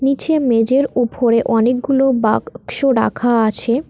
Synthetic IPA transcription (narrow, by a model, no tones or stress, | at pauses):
nit͡ɕʰemed͡ʑeɾupʰoɾeʔɔnek̚ɡulobakʃoɾa̰kʰaat͡ɕʰe